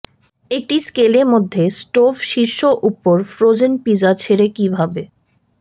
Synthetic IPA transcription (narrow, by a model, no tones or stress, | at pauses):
ek̚ʈiskeleɾmod̪ʱːesʈofʃiɾʃoʔupoɾfɾod͡ʑenpid͡ʑat͡ɕʰeɾekibʱabe